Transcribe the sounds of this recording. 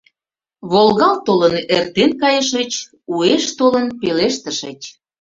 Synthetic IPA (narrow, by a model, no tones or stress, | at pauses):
βolɣɑlt̪olənert̪enkɑjəʃət͡ɕ | ueʃt̪olənpeleʃt̪ə̆ʃət͡ɕʲ